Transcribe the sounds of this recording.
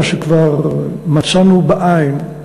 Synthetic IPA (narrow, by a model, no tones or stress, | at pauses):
ʃekvaʁmat͡sanubaʔain